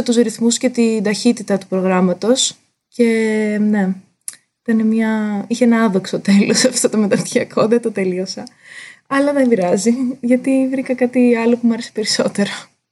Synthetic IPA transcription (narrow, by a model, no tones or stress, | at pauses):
ɐt̪uzɾiθmusce̞t̪ind̪ɐçit̪it̪ɐt̪u̥pɾo̞ɣɾɐmɐt̪o̞s | ce̞ne̞ | it̪ɐnemɲɐiçeenɐɐðoksot̪e̞losɐft̪ot̪omet̪ɐft̪çiɐkʰo̞ðet̪ot̪e̞lio̞sɐ | ɐlɐðembiɾɐziʝɐt̪ivɾikɐkɐt̪iɐlo̞pumuɐɾese̥pe̞ɾiso̞t̪e̞ɾo